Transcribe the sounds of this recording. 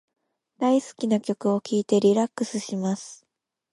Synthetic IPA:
d̪aisɨ̥kʲinakʲo̞kɯ̟o̞kʲʰiːt̪e̞ɾʲiɾakːɯ̟sɨɕimasɨ̥

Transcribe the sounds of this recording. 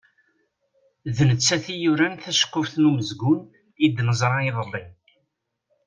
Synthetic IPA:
ðnət͡sːæθijuɾænθæʃə̥qːʊfθnuməzɡʊn | id̪nəzˤɾˤɑiðˤəlːin

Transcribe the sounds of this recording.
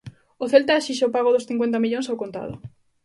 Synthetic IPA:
oθelt̪aʃiʃ̬eopaɣ̞oðosθiŋkwent̪̬amiʎõŋsawkont̪a̰ð̞o̰

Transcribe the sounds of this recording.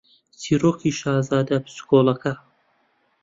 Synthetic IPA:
siːɾoːkʰiʃaːzaːd̪ɐb̥skoːlˠɐkɐ

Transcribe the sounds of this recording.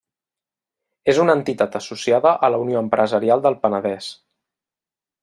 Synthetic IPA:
ezunənt̪it̪at̪əsusiaðəʔələunioəmpɾʔəzəɾialˠd̪əlˠpənəðɛs

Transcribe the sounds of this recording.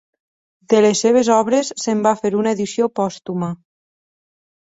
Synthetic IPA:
d̪elesːeβ̞ezɔβɾesːembafeɾunaeðisjopɔst̪uma

